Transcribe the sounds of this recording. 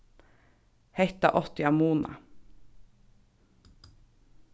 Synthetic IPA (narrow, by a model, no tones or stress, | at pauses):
hɛht̪ɑ̰ʔɔt̪ɪɑmuːnɑ̰